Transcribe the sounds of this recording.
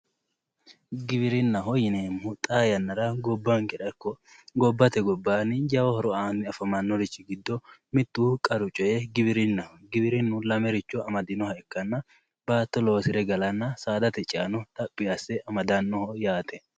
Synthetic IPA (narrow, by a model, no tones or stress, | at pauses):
ɡɪbɪɾɪnːɐɦɔjɪneːmʊt̪ʼaːjɐnːɐɾɐɡɔbːaŋkɪᶑɐkːɔ | ɡɔbːɐt̪ɛɡɔbːaːnɪd͡ʒɐwɔhɔɾɔaːmɪɐfɐmɐnːɔɾɪt͡ʃːɪɡɪd̪ːɔmɪt̪ːukʼɐɾʊt͡ʃʼɔjɛɡɪbɪɾɪnːɐɡɪbɪɾɪnːʊlɐmɛɾɪt͡ʃːɔɐmɐd̪ɪnɔhɐɛkːɐnːɐ | baːt̪ːɔlo̞ːsɪɾɛɡɐlɐnːɐsaːd̪ɐt̪ɛt͡ʃʼɪɐnɔt̪ʼɐpʼːɪjɐsːɛʔɐmɐd̪ɐnːɔhɔjaːt̪ɛ